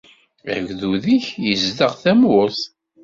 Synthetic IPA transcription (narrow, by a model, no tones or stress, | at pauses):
æ̰ɡðuðiçjəzdəʁθæmʊθ